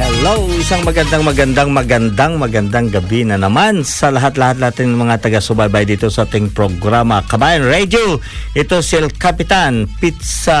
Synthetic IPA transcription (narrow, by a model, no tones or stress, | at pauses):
hɛlowʔɪsaŋmɐɡɐnd̪aŋmɐɡɐnd̪aŋmɐɡɐnd̪aŋmɐɡɐnd̪aŋɡɐbinɐnɐmansɐlɐɦat̪lɐhat̪̬laat̪ɪnnɐŋmɐŋat̪ɐɡasʊbajbajd̪iːt̪o̞sɐʔaːt̪ɪŋpɾoɡɾamɐkɐbaːjɐnɹɛd͡ʒo | ʔɪt̪osɛlkɐpɪt̪anpit̪̚sa